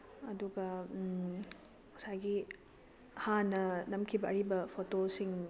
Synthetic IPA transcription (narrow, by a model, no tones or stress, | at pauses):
ɐduɡɐ | mɐsajɡi | hanɐnɐmkʰibɐɐɾibɐpʰotosiŋ